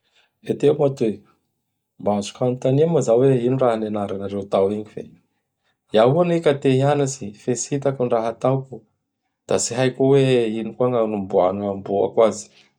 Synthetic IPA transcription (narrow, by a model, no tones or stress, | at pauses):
et̪emat̪uwe | mbaazu̥kanit̪aniamazaweiniraɦanenaɾanaɾewt̪awiɲifḛ | jaɦuanekat̪eɦianasifesit̪akuɳraɦat̪awku | d̪̥asiɦajkuweinikuaŋanumbuanambua̰kwazi̥